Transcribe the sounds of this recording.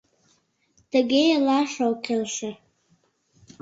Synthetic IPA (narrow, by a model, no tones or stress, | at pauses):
d̥aɡʲejalaʂawkʰelʃa